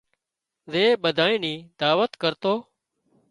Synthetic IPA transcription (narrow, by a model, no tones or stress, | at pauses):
zeːɓəd̪ʱaːĩːniːd̪aːʋət̪kəɾt̪oː